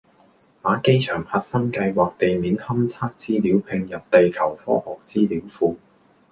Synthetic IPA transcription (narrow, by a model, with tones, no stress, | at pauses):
maː˨˥ke˥jt͡ʃʰœː˨˩ŋhɐ˨t̚sɐ˥ŋkɐ˧jwaː˨k̚t̪e˨jmiː˨˥nhɐ˥mt͡sʰaː˥k̚t͡siː˥liː˨˥wpʰɪ˧ŋjɐ˨p̚t̪e˨jkʰɐ˨˩wfɔ̰ː˥hɔː˨˩k̚t͡siː˥liː˨˥wfuː˧